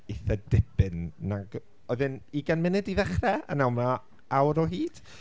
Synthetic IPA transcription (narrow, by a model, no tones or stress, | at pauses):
eθədɪpɨnːaɡ | ɔɨðɨniɡanmɪnɨdiðɛχrɛa̰nawma | awɾɔɦiːd̥